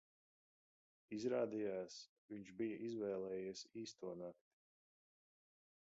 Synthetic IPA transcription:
izɾaːd̪ijaːs | viɲt͡ʃbijɐʔizvɛːlˠɛːjiɛsiːst̪uɔnakt̪i̥

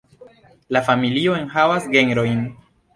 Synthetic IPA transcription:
lafamilio̞e̞nhavasɡe̞neɾo̞jn

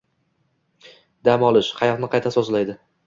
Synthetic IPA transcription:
d̪amɒlˠɪʃqʰɑjɒqnɪqʰɑjt̪ʰasozlajd̪ɪ

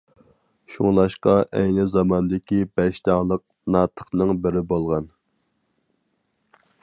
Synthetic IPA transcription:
ʃuŋlˠɑʃqɑʔɛjnɪzɑmɑnd̪ɪkʲibɛʃt̪ɑŋlˠəq̚ | nɑːt̪ʰə̥χnɨŋbɪɾɪbolˠʁɑn

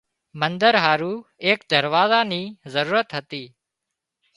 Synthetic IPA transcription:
mənd̪əɾɦaːɾuːeːkd̪əɾʋaːzaniːzəɾuːɾət̪ɦət̪iː

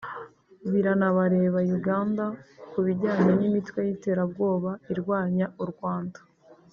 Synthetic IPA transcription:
βiɾanaβaɾe̞ːβajuɡaːndakuβiɟaːɲenimitwe̞jite̞ːɾab̚ɡo̞ːβaiɾɡwaːɲauɾɡwaːndḁ

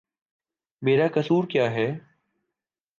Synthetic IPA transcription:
meːɾaːkəsuːɾkjaːɦɛː

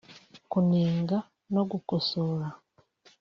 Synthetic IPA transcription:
kuniːŋɡa | noɡukosoːɾa

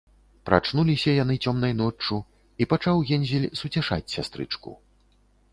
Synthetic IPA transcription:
pɾa̰t͡ʂnulʲisʲɐjanɨt͡sʲɔmnɐjnɔt͡ʂːu | ipat͡ʂawɣʲɛnʲzʲilʲsut͡sʲaʂa̰t͡sʲsʲast̪ɾɨ̰t͡ʂkṵ

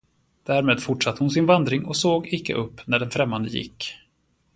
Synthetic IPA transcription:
d̪̥æːɾmeːd̪fʊʈʂat̪ːəhʊnsɪnvand̪ɾɪŋɔsoːɡɪkːə̰ʔɵpːnæɖɛnfɾɛmːand̪əjɪ̰kː

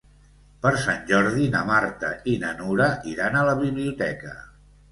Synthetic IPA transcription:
pəɾsanʲʒɔɾðinəmaɾt̪əinənuɾəiɾanələβiβliut̪ɛkə

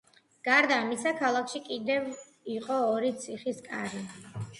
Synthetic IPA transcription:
ɡ̥aɾd̪aːmisakʰalˠakʰʃikʼid̪ɛv | iqʼɔːɾit̪sʰiχiskʼaɾi

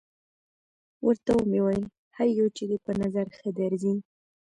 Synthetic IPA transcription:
wəɾt̪awumewajəl | haɾjawt͡ʃed̪epənazaɾxəd̪aɾzin

